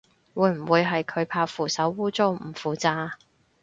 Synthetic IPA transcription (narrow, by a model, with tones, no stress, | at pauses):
wuː˨˧jm̩˨˩wuː˨˧jɦɐ˨jkʰɵ˨˧ɥpʰaː˧wfuː˨˩sɐ˨˥wːuː˥t͡so˥wm̩˨˩fuː˨t͡saː˧